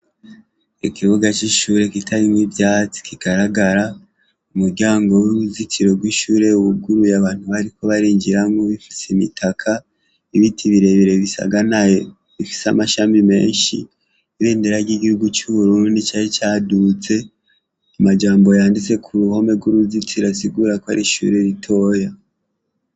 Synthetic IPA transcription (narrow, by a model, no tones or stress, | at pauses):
ikiβuɡat͡ʃiʃuɾe̞kitʰaɾimwivjaːt͡si̥kiɡaɾaɡaɾa | umuɾɟaːŋɡo̞wiβuzikʰiɾo̞bɡwiːʃuːɾe̞uβuɡuɾujaβaːn̥huβaɾiko̞βaɾiːɲd͡ʒiɾamŋoβifi̥seimitʰakʰa | iβitʰiβiɾe̞βiɾe̞βisa̰ɡanajo | βifi̥samaʃaːmbime̞̰ːnʃḭ | iβeːndeɾaɾɟiɡihuɡut͡ʃuβuɾuːndit͡ʃaɾit͡ʃaːdut͡se̞ | amad͡ʒaːmbo̞jaːndit͡se̞kʰuɾuho̞meɡwuɾuzit͡siɾasiɡuːɾakoaɾiʃṵːɾe̞ɾitʰo̞ːja